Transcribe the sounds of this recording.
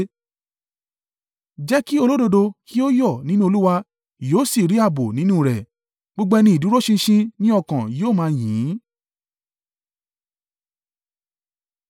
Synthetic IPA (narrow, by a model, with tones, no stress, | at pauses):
d͡ʒɛ˦ki˦o˧lo˦do˧do˧ki˦o˦jɔ˦˨nĩ˨˦nũ˦o˧lu˦wa˧ | joː˦˨si˦˨ɾi˨˦a˦˨bo˨nĩ˨˦nũ˦˨ɾɛ˨ | ɡ͡bo˦ɡ͡bɛ˦˧nĩ˧˦i˨du˨˦ɾo˦ʃĩ˧ʃĩ˧nĩ˦ɔ˦˨kã˨joː˦˨mãː˧jĩː˨˦